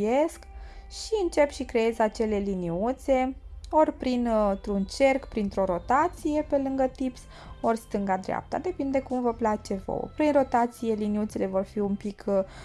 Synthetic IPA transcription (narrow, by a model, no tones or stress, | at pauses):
je̞skʃiɨnt͡ʃe̞pʃikɾe̞je̞zat͡ʃe̞le̞liniut̪se̞o̞rʲpɾint̪ɾunt͡ʃe̞rkpɾint̪ɾo̞ɾo̞t̪at̪sije̞pe̞lɨŋɡət̪ips | orst̪ɨŋɡad̪ɾea̰p̚t̪a̰d̪e̞pind̪e̞kumvəplat͡ʃe̞vo̰w̰pɾinro̞t̪at̪sije̞liniut̪se̞le̞vo̞rfiumpikʰ